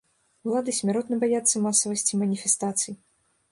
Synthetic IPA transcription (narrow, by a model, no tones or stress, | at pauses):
ulˠad̪ɨsʲmʲaɾɔt̪nɐbajat̪sːɐmasɐvɐsʲt͡sʲimɐnʲifʲɛst̪at̪sɨji